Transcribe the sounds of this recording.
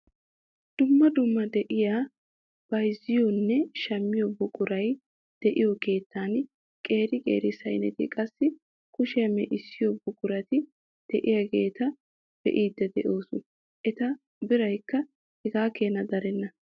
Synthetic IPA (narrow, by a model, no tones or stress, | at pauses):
d̪̥ʊmːɐd̪ʊmːɐd̪ɛʔɪja | b̥ɐjzɪjonːɛʃɐmːɪjɔbʊkʼʊɾɐj | d̪̥ɛʔɪjɔke̞ːt̪ʰːaːn | kʼe̞ːɾɪkʼḛːɾɪsɐjnɛt̪ɪ̰kʼɐsːɪ | kʊʃɪjɐmːɛʔɪsːɪjobʊkʼʊɾɐt̪ɪ | d̪̥ɛʔɪjɐɡe̞ːt̪ɐ | d̪̥ɛ̰ʔiːd̪ːɛd̪ɛʔo̞ːsʊn | ʔɛt̪ɐ | bɪɾɐjkːɐ | hɛɡaːkeːnɐd̪ɐɾɛnːɐ